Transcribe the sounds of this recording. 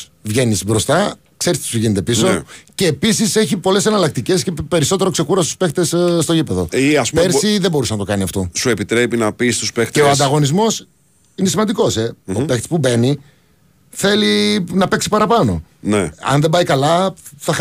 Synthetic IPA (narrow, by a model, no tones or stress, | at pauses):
vʝe̞nisbɾo̞st̪ɐ | kse̞ɾist̪i̥suʝinet̪e̞piso̞ce̞ːpisise̞çipo̞le̞se̞nɐlɐk̚t̪ice̞sce̞pe̞ɾiso̞t̪e̞ɾo̞kse̞kuɾɐst̪u̥spe̞xt̪esst̪o̞ipeðo̞iɐsupeɾsiðebousɐnɐt̪o̞kɐniɐft̪o̞sue̞pit̪ɾe̞pinɐpist̪uspext̪eoɐnd̪ɐɣo̞nizmo̞s | inesimɐnd̪iko̞se̞opext̪spube̞ni | θe̞linɐpe̞ksi̥pɐɾɐpɐno̞̰ | neɐ̰nðebɐikɐlɐθɐ